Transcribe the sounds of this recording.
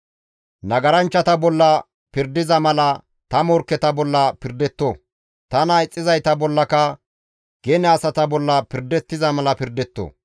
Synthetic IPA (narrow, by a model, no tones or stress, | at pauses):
nɐɡɐɾɐnt͡ʃːɐt̪ɐbɔlːɐ | pɪɾd̪ɪzɐmɐlɐ | t̪ɐmɔɾkːɛt̪ɐbɔlːɐpɪɾd̪ɛt̪ːo | t̪ɐnɐɪt͡sʼːɪzɐjt̪ɐbɔlːɐkɐ | ɡ̥ɛnɛɐsɐt̪ɐbɔlːɐpɪɾd̪ɛt̪ːɪzɐmɐlɐpɪɾd̪ɛt̪ːo̰ː